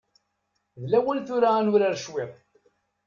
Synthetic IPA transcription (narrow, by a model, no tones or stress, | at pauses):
ðlæwənθuɾaːnʊɾaɾʃwɪðˤ